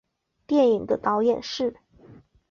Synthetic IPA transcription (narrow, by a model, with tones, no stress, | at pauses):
t̪jɛ˥˩ni˨˩ŋd̪ə˦t̪ɑ˧˥ʊjɛ˨˩nʂɻ̩˥˩